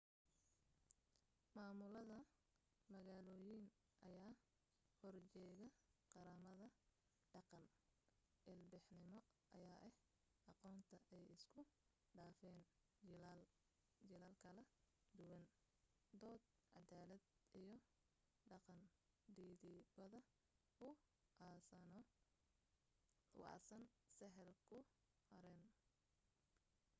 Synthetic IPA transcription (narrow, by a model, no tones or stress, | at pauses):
maːmʊlɐðɐ | mɐɣaːlɔːjin | ʔɐjaː | hɔrt͡ʃɛːɣɐqɑɾaːmɐðɐ | ɖɑqɑn | ʔɪlbɪħnɪmɔ | ʔɐjaːʔɛh | ʔɑqɔːnt̪ʰɐʔɛjɪskʰʊ | ɖaːfɛːn | ɪlːl | d͡ʒɪlaːlkʰɐlɐd̪ʊwɐn | d̪ɔːd̪̚ | ʕɑd̪aːlɐd̪ʔijɞ | ɖɑqɑn | ɖiːðɪbɐðɐ | ʊ | nɔ | ʊ̰ɑ̰ːsɐnsɛɦɛlkʰʊ | hɐɾɛːn